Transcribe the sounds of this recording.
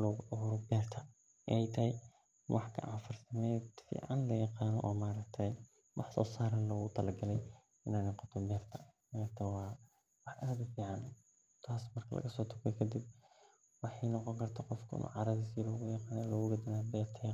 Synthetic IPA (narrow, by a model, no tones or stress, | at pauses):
lɔːɣʊʔɔɣʊɾɔbɛːrt̪ʰɐ | ɛɛjt̪ʰɐɦɛj | wʔɑħkʰɐʔafʊrsɐmɛ̥fḭːʕɑnlɐjɑqɑːnɔ̰ʔɔːmaːɾɐk̚t̪ʰɛj | wʔɑħsɔ̰ːsaːɾɐnlɔːɣʊt̪ʰɐlɐɡɐlɛj | ɪnaːnɛqɔt̪ʰɔbɛːrt̪ʰɐmaːɾɐkt̪ʰɐwɑː | wɑħʔɐɾɐðfiːʕɑn | t̪ʰaːsmɐrkʰɐlɐ̰ɣɐsɔːt̪ʰʊkʰɛjkʰɐd̪ib̚ | wɑħɑjnɔqɔŋkʰɐrt̪ʰaːqɔfkʰɐɪ̰nʔṵːʕɑɾɐðiːsiːlɔːɣʊjɑqɑaːnɛlɔːɣʊɡɐd̪ɐnaːbɛːrt̪ʰɐ